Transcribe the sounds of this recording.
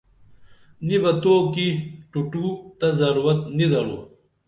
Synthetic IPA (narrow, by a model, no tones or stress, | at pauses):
nibɐt̪oːkiʈuʈut̪ɐzɐɾuɾɐt̪nid̪ɐlo̰ː